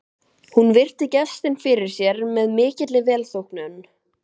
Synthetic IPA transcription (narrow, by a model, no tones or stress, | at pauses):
hunvɪr̥t̪ɪcɛ̥st̪ɪnfɪɾɪɾ̥sjɛɾmɛðmɪːcɪt̪lɪvɛːlθowhknʏnː